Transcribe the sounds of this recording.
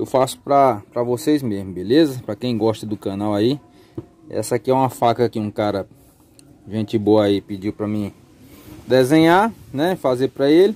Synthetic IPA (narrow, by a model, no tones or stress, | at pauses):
ewfasʊ̥pɾɐpɾɐvosejzmezmʊbelezɐpɾɐkẽj̃ɡɔʃt̪ɐd̪ʊkɐ̃nawai | ɛ̰sɐakɪɛũmɐfakɐkɪũkaɾɐ | ʒẽnt͡ʃɪboɐaipid͡ʒiwpɾɐmĩ | d̪ezẽɲaɾnɛfazeɾpɾɐelɪ